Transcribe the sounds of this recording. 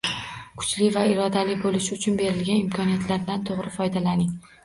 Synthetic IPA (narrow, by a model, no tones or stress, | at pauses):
kʰʊ̥t͡ʃlɪvaɪɾɒd̪alɪbolɪʃʊt͡ʃʰʊnbe̞ɾɪlɡʲanɪmkʰɒnijat̪ʰlaɾd̪ant̪ʰoʁɾɪfɒjd̪alanɪŋ